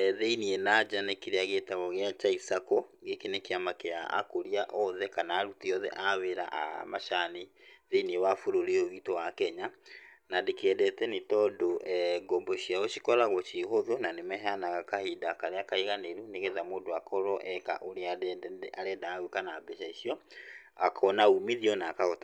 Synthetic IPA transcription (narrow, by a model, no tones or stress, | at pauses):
ðeinienad͡ʒanekiɾeaɣetaβɔɣeat͡ʃaisakɔɣekinekeamakeaa̰koɾiaʔɔðɛkanaːɾutiɔðɛ̰ʔaβeɾa̰ʔa̰maʃaniðeiniewafuɾoɾeoɣiːtowakɛɲanadekɛdɛtɛnitɔdoʔɛɡɔmbɔʃiaoʃikɔɾaɣɔt͡ʃihoðonanemɛɦanaɣakahidakaɾeakaiɣaneɾuneɣeðamodoakʰɔɾɔʔɛka̰ʔoɾeaaɾɛdaːwekanabɛʃaiʃiɔakʰɔnaumiðiɔnakaota